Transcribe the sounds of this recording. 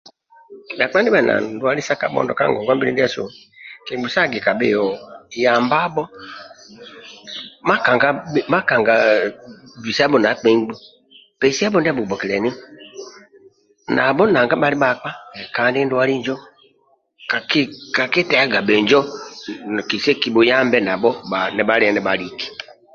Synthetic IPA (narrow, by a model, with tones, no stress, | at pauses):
ja˨k͡pa˦ndi˦ba˨na̰˨da˦li˦sa˦ka˨˦bɔ̰˨ndɔ̰˨ka̰˦ŋɡɔ˨ɡa˦bi˦ɾi˦ndi˦a˦˨sṵ˨ | ki˨ɡ͡bu˨sa˦˨ɡi˨ka˨bḛ˦˨jɔ˨ja˨mba˦bɔ˦ | ma˦ka˨ŋɡa˦˨ma˦ka˨ŋɡa˨ | bi˨si˦a˦bɔ˨na˨˦k͡pe˨˦ɡ͡bu˦ | b̥ɛ˨˦si˦a˦bɔ˦ndɛ˦bu˨bɔ˨ki˨lɛ˨ni˦ | na̰˨bɔ˦naː˨ŋɡa˦ba˦li˦ba˨k͡pa˦˨kaː˨ndi˦ndwa˦ɾi˦ɲd͡ʒɔ˦ | ka˨kka˨ke˦tɛ˨a˦ɡa˨bɛ˨ɲd͡ʒɔ˦˨ | ki˨se˦ki˨bu˨jaː˦mbɛ˦na˨bɔ˦ba˨nɛ˨ba˦ɾi˦˨nɛ˨˦ba˨ɾi˨ki̥˨